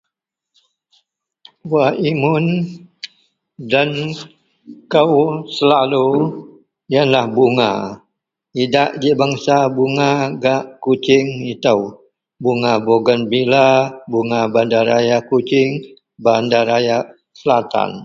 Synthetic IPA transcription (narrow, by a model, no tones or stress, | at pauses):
waimʊn | dan | kəwsəlalu | janlahbuŋa̰ | idaʔd͡ʒiʔbaŋsabuŋaɡaʔkut͡ʃɪŋit̪aw | buŋaboɡənbilabuŋabandaɾajakut͡ʃɪŋ | bandaɾaja | səlat̪a̰n